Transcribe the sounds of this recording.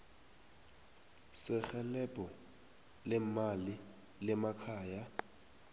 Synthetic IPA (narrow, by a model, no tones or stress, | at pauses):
sɪxɛlɛbʱʼɔ | lɛmali | lɛmakʰaːja